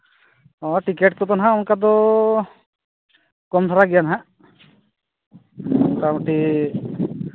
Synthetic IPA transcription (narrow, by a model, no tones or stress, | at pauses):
ɔʈikeʈkɔt̪ɔnaɦãunkad̪ɔ | kɔmt̪ʰaɾaɡijanaɦaʔ | unkaɔʈi